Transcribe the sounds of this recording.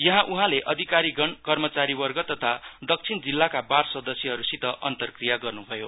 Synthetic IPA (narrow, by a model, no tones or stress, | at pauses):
jʌɦãʔuɦãleʔʌd̪ʱikaɾiɡʌɳkʌrmʌt͡saɾiwʌrɡʌt̪ʌt̪ʰad̪ʌk̚t͡sʰind͡zilːakabarsʌd̪ʌsjʌɦʌɾusit̪ʌʔʌnt̪ʌrkrijaɡʌrnubʱʌjo